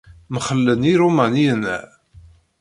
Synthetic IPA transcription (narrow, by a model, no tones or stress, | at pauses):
məχəlːəniɾumæniənæ̰